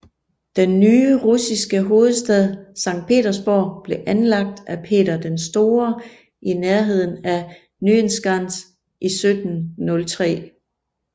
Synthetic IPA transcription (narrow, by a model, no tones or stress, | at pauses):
d̥enːyːʁusisɡ̥əɦo̝ːð̞̩ˠsd̥ɛð̞ˠsɑ̈ŋ̰d̥̚pʰe̝̰ːɾɐsb̥ɒːb̥le̝ʔænlɑ̈ɡ̥̚d̥æpʰe̝̰ːɾɐd̥ensd̥o̝ːɐ | ʔineɐɦe̝ð̞̰ˠn̩æ | nyensɡ̥ʁɑn̰s | ʔisød̥n̩ːɔ̽lt͡sʰʁɛ̰ː